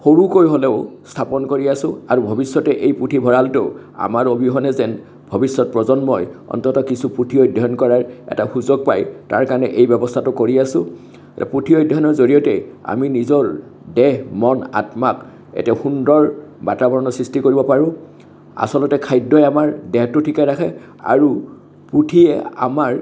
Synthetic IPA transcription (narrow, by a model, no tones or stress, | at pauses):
xoɹukoɹiɦolɛʊstʰapɔnkoɹiasʊ̃aɹubʱɔbisːɔtɛʔejputʰibʱɔɹaltɛʊ | a̰maɹobʱiɦɔnɛzɛn | bʱɔbisːɔt̚pɹɔzɔnmɔjɔ̰ntɔtɔkisupɹutʰiɔjdʱɔɦɔnkɔɹaɹɛ̰taxuzoɡ̚pa̰jta̰ɹkanɛʔejbɛbɔstʰatʊkoɹiasʊ̃ | ɛtɛ̰pɹutʰiɔjdʱːɔɦɔnɔɹzoɹiɔtɛa̰minizɔɹ | dɛɦmɔna̰tmak | ɛ̰tɛxundɔɹbatabɔɹɔnɔsɹistikoɹibɔpaɹʊ̃ | a̰sɔlɔtɛkʰajdːɔjamaɹdɛɦtʊtʰikaɹakʰɛ | a̰ɹu | pɹutʰiɛ̰a̰maɹ